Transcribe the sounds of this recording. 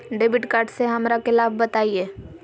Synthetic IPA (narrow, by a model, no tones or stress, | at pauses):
ɖeːbɪʈkaːɾɖseɦɐmɾakɪlaːbbɐt̪aːieː